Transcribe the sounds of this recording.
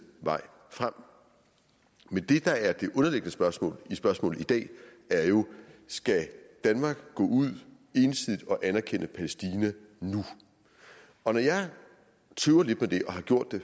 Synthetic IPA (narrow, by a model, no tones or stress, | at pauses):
ʋɑ̈ɪ̰ | fʁam̰ | mend̥e̝d̥ɑ̈æɐd̥e̝ʔɔ̽nɐleɡ̥nəsb̥ɶɐsmɔ̰̽ːlisb̥ɶɐsmɔ̰̽ːl̩ˠid̥ɛ̰ː | æɐjo̝sɡ̥æd̥ænmɑ̈ːɡ̥ɡ̥ɔ̰̽ːuð̰ˠ | e̝nsið̰ˠid̥ɒ̽ʔænæɐkʰen̰əpʰælesd̥iːnæ | nu | ɒ̽nɒjɑɪ | t͡sʰøʊɐle̝d̥med̥e̝ʔɒ̽ɦɑ̈ɡ̥jo̝ɐ̰d̥e̝